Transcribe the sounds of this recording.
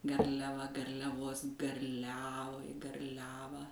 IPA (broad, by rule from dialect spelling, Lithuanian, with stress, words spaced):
ɡɐrʲlʲɛˈʋɐ ɡɐrʲlʲɛˈʋoːs ɡɐrʲˈlʲæːʋɐɪ ɡɐrʲˈlʲæːʋɑː